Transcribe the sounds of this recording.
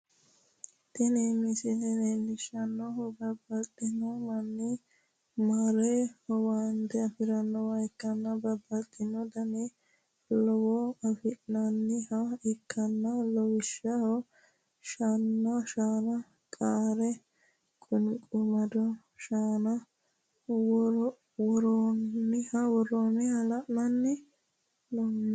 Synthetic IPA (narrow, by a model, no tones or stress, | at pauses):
t̪ɛnemɪsɪd̪ɛnenːɪʃɐnːɔɦɔbɐbːɐlt̪ʼːɪnːɔmɐnːi | maɾɛhɔwaːnd̪ɛɐfɪɾɐnːɔwɐɪkːɐnːɐbɐbːɐlt̪ʼːɪnːɔd̪ɐne | lɔwɔɐfɪnɐnːɪhɐɪkʰːɐnːɐlɔwɪʃːɐhɔ | ʃanːɐʃaːnɐ | kʼaːɾɛ | kʼʊnkʼʊmɐd̪ɔ | ʃaːnɐ | wɔ | wɔɾoɪhɐwɔroːnɛhɐlɐʔnɐnːɪ | lɔnː